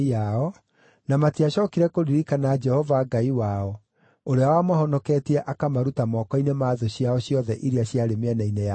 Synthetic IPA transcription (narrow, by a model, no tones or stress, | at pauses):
aɔ | namatiaɕɔːkiɾɛkoɾiɾikanad͡ʒɛhɔvaɡaiwaɔ | oɾeawamɔɦɔnɔkɛːtiɛʔakamaɾutamɔkɔinemaːðoɕjaɔɕjɔðɛʔiɾeaɕjaɾemeɛnainea